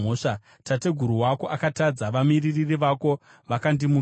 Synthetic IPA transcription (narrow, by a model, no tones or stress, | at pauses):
oʂa | tate̞ɡʱuɾuwako̞ʔakatad͡zaʋamiriririʋako̞ | ʋakandimu